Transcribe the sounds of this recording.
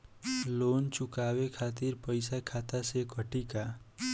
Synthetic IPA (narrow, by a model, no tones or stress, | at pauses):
loːnt͡ʃʊkaːwekʰaːt̪̬ɪɾpəɪsakʰaːt̪asekəʈika